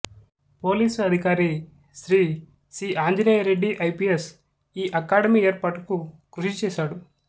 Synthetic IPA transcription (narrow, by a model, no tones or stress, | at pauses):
poːliːsɐd̪ʱikaːɾi | sɾiː | siːʔaːɲd͡ʒinɐjɾeɖːiʔɐjpies | iːʔɐkaːɽɐmiːeːɾpaːʈukukɾuʃit͡ʃɛːʃaːɽu